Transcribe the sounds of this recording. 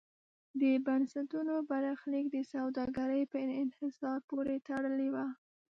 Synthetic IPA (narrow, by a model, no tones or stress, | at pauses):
d̪əbansat̪unobaɾɑxlik̚d̪əsawd̪ɑɡaɾəjpəɪɪnhɪsɑɾpoɾet̪aɽəlewa